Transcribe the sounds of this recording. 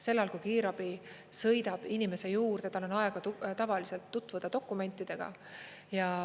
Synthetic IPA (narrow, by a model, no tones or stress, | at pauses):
se̞lːɑlkujkiːɾɑb̥i | sɤ̞jd̪ɑb̥inime̞se̞juːrd̪et̪ːɑlo̞nɑe̞ɡ̥ɑt̪ut̪ɑvɑlise̞lt̪ːut̪ːˑvud̪̥ɑd̪o̞kːˑume̞nʲt̪ːˑid̪̥e̞ɡ̥ɑ̰ | jɑ